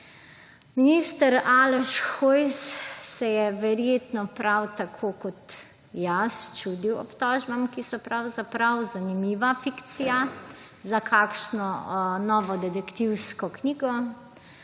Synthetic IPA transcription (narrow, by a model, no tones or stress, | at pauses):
minist̪əɾaːlɛʃxojsːɛjɛʋɛɾjeːt̪nɔpɾʔawt̪akʰoːkɔt̪ | jast͡ʃuːd̪iwɔ̰pt̪ɔːʒbamkisɔpɾawzapɾawzanimiːʋafikt̪sija | zakʰaːkʃnɔnɔːʋɔd̪ɛd̪ɛkt̪iwskɔkniːɡɔ